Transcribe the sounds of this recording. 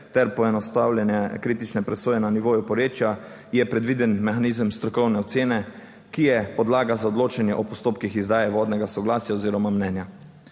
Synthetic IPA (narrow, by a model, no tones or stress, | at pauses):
t̪ɛɾpɔɛnɔst̪aːwljɛnjɛkɾiːt̪it͡ʃnɛpɾɛsoːjɛnaniʋoːjupɔɾjeːt͡ʃja | jɛpɾɛd̪ʋiːd̪ɛnmɛxanizəmst̪ɾɔkɔwnɛɔt̪seːnɛ | kijɛpɔd̪laːɡazaɔd̪loːt͡ʃanjɛʔɔpɔst̪oːpkixizd̪aːjɛʋɔːd̪nɛɡasɔɡlaːsjaoziːɾɔmamnɛːnja